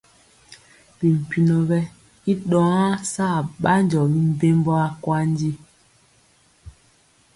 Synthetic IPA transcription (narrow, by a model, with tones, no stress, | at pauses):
bi˨m̩˨pi˨nɔ˨bɛ˦ | i˦ɗɔ˨˦a˦sa˦˨ɓa˦nd͡ʒɔ˨bi˦m̩˦be˦mbɔ˦a˦kwa˦n˦di˦